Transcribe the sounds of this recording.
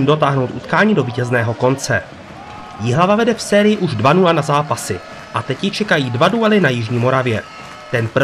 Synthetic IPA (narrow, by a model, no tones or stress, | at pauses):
imdo̞t̪aːɦno̞wt̪ʔut̪kaːɲiːdo̞viːcɛznɛːɦo̞ko̞nt͡sɛ | jɪɦlavavɛdɛfsɛːɾɪjɪʔuʒdvanulanazaːpasɪ | ʔat̪ɛcjɪt͡ʃɛkajiːdvaduɛlɪnajɪʒɲiːmo̞ɾavjɛ | t̪ɛnp